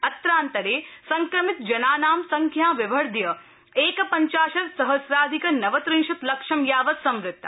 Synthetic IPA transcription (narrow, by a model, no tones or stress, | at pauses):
ɐt̪ɾaːnt̪ɐɾeːsɐŋkɾɐmit̪̚d͡ʒɐnaːnaːmsɐŋkʰjaːʋiʋɐɾd̪jɐ | eːkɐpɐɲt͡ʃaːʃɐɾsɐɦɐsɾaːd̪ʱikɐnɐʋɐt̪ɾĩŋʃɐt̪lɐkʂɐmjaːʋɐt̪sɐmɾɪt̪ː